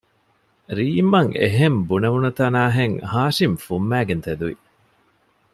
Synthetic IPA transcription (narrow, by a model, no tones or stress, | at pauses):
ɾiːmɐŋḛɦembunɐʋunɐt̪ɐnaːɦeŋhaːʃimfumːæːɡent̪ed̪uʋḭ